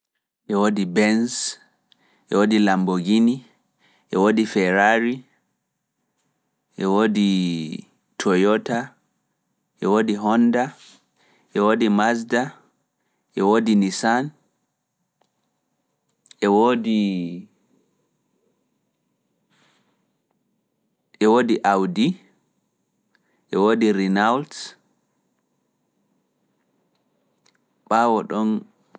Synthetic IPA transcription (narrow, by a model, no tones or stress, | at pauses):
ʔɛwoːdibɛns | ʔɛwoːdilamboɡini | ʔɛwoːdifɛɾaɾi | ʔɛwoːdi | tʰɔjɔta | ʔɛwodiɦɔnda | ʔɛwoːdimasda | ʔɛwoːdinisan | ʔɛwoːdi | ʔɛwoːdiʔawdi | ʔɛwodiɾinawl | ɓaːwɔɗɔn